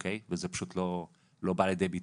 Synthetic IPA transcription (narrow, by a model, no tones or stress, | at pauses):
kʰejvezepḁʃut̪lo̞ | lo̞baljed̪ejbit̪